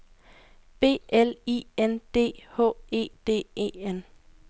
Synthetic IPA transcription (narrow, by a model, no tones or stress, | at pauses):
b̥e̝̰ːelḭend̥e̝̰ːhɔ̰ːe̝̰ːd̥e̝̰ːe̝̰ːen